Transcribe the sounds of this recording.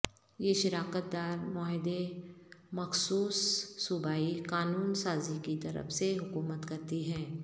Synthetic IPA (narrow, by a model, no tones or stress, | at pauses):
jeʃɪɾaːkət̪̚d̪aːɾmɔːɦɪd̪e | mɐxsuːsːʊbʱaːikaːnuːnsaːzikit̪ɐɾə̰fseɦʊkuːmət̪kɐɾt̪iɦɛ̃ː